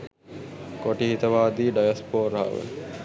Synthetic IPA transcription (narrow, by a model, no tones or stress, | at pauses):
koʈiɦit̪ɐʋaːd̪iːɖajɐspoːɾaa̰ːʋḛ